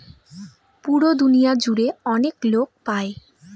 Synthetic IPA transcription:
puɾod̪unijad͡ʑuɾeɔneklok̚pae

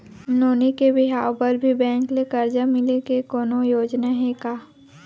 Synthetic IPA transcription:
noːnikebɪɦaːwpəɾbʱibɛ̃ːŋklekɐɾd͡ʒamɪlekekoːnojoːd͡ʒnaɦekaː

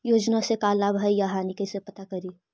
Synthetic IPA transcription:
joːd͡ʒnasekalːabɦəjjaɦanikəsepət̪akəɾi

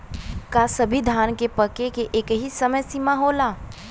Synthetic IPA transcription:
kasɐbʱid̪ʱaːnkepəkekeʔeːkɦisəməjsimaɦoːlaː

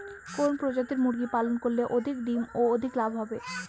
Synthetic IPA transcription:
konpɾod͡ʑat̪iɾmuɾɡipalonkoɾleʔod̪ʱikd̪imood̪ʱiklabʱɦɔbe

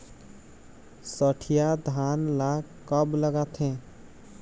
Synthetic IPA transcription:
səʈʰijad̪ʱanla | kəbləɡat̪ʰẽ

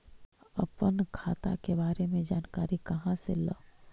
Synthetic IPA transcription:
ɐpənkʰaːt̪a̰kebaːɾemẽd͡ʒaːnkaːɾikɐɦãsḛləː

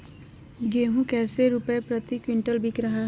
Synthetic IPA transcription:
ɡeːɦũːkɛːseɾupepɾət̪ikwɪɳʈəlbɪkɾəɦaː

